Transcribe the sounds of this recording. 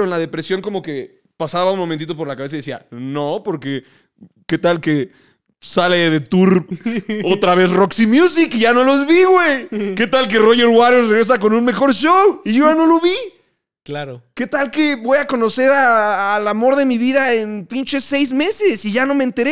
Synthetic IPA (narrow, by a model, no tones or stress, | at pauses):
oenlaðe̞pɾe̞sjo̞ŋko̞mo̞ke̞ | pasaβaunmomẽnt̪it̪o̞po̞ɾlakaβesaiðesia̰no̞po̞ɾke | ke̞t̪alke | saleðe̞t̪uɾ | o̞t̪ɾaβe̞sro̞ksimjus̬ikiʝano̞lo̞zβiɣwejke̞t̪alk̬e̞ro̞ʝe̞ɾwaɾereɣɾes̬ako̞nũnme̞xo̞ɾʃowiʝo̞ʝano̞lo̞βi | klaɾoke̞t̪alke̞bo̞jako̞no̞se̞ɾaːlamo̞ɾðe̞miβiðaenpint͡ʃe̞se̞jzme̞se̞siʝano̞meːnt̪e̞ɾe